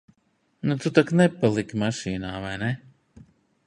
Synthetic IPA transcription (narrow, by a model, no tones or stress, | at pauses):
nut̪ut̪aknɛpalˠikʲmaʃiːnaːvajne